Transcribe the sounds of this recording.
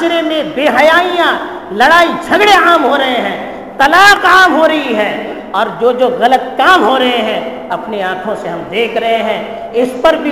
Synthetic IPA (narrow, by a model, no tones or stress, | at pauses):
d͡ʒɾemẽbeːɦɐjaːijã | lɐɽaːid͡ʒʱɐɡɽeaːmɦoɾɐɦeɦɛ̃ː | t̪ɐlaːqaːmɦoːɾɐɦiɦɛː | ɔːɾd͡ʒoːd͡ʒoːɣɐlət̪̚kaːmɦoɾɐɦeɦɛ̃ | ɐpneaːkʰõseɦɐmd̪eːkʰɾɐɦeɦɛ̃ː | ɪspɐɾbʱi